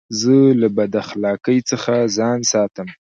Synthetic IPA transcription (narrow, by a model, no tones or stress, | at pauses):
zəlabad̪axlɑkəjt͡səxazɑnsɑt̪əm